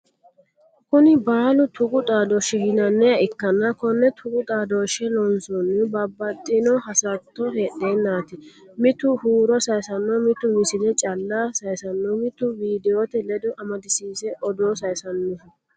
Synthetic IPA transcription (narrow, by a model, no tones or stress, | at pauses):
kʊnɪbaːlʊt̪ʰʊɡʼʊt̪ʼaːd̪ɔʃɪhɪnɐnːɛjɐɪkːɐnːɐkɔnːɛt̪ʰʊɡʊt̪ʼaːd̪oʃɛlɔnsɔnːɪbɐbːɐt̪ʼːɪnɔɦɐsɐt̪ːɔheːɗenːaːt̪ɪ | mɪt̪ʊhuːɾɔsɐjsɐnːɔmɪt̪ːʊmɪsɪd̪ɛt͡ʃʼɐlːasɐjsɐnːɔmɪt̪ːʊviːd̪ɛjoːt̪ɛlɛd̪ʊʔɐmɐd̪ɪsiːsɛʔɔd̪osɐjsɐnːʊ